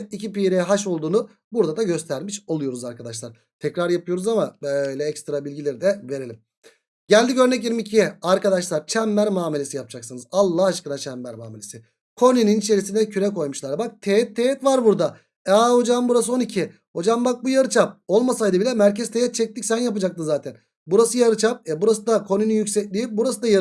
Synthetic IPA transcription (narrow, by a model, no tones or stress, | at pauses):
t̪icʰipiɾejɛɦaʃo̞lˠd̪uːnu | buɾd̪ad̪aɟø̞st̪ʰæɾmiʃo̞lˠujo̞ɾuzaɾkad̪aʃlˠaɾ | t̪ʰɛcɾaɾjapɯjo̞ɾuzamabøjlʲɛɛcst̪ɾabilʲɟilʲe̞ɾid̪ɛve̞ɾe̞lʲim | ɟælʲd̪icø̞ɾnɛc̬iɾmicʰijɛaɾkad̪aʃlˠaɾt͡ʃʰɛmːæɾmaːmelʲe̞sijap̚d͡ʒaksɯnɯzalˠːahaʃkɯnat͡ʃʰæmːæɾmaːmelʲesɪ | kʰo̞nyninit͡ʃʰe̞ɾisind̪ɛcʰyɾɛkʰo̞jmuʃlˠaɾbak̚t̪ʰeɛt̪ʰːeɛt̪vaɾbuɾd̪a | aho̞d͡ʒambuɾas̬ɯo̞nicʰi | ho̞d͡ʒambak̚bujaɾɯt͡ʃʰap̚o̞lˠmasajd̪ɯbilʲɛmæɾcɛz̥t̪ʰejɛt̪̚t͡ʃʰɛc̚t̪ʰicsænjapɯd͡ʒakt̪ɯnzaːt̪ʰæn | buɾasɯjaɾɯt͡ʃʰap̚ɛbuɾasɯd̪akʰo̞nynynjycʲsɛclʲijip̚buɾasɯd̪aja